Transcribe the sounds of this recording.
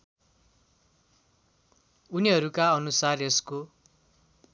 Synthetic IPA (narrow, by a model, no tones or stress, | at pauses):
uniɦʌɾukaʌnusaresko